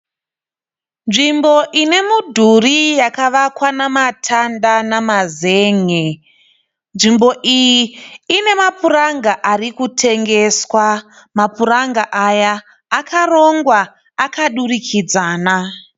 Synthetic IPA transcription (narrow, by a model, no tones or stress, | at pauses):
nʐimbo̞ʔine̞mudʱurijakaʋakwanamatʰandanamazeːŋe | nʐimbo̞ʔijiːne̞mapuraŋɡaʔarikutʰe̞ŋɡe̞swa | mapuraŋɡaʔajaː | karoŋɡwaː | kaɗurikʰid͡zaːna